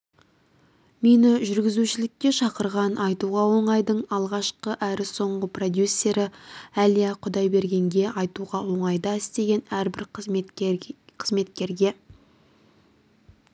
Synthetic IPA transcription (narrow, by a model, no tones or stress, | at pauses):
me̞nɪʒʏɾɡʲɪzuʃɪlɪk̚ʲkʲːe̞ʃɑqəɾʁɑnɑjt̪uʁɑwo̞ɴɑjd̪əɴɑlˠʁɑʃqəʔæɾɪso̞ɴʁəpro̞d̪jusːe̞ɾɪælijaqʰʊd̪ɑjbe̞ɾɡʲe̞ŋɡʲe̞ɑjt̪uʁɑwo̞ɴɑjd̪ɑɪst̪e̞ɡʲe̞næɾbɪɾ | qʰəzme̞t̪kʲe̞ɾɡʲe̞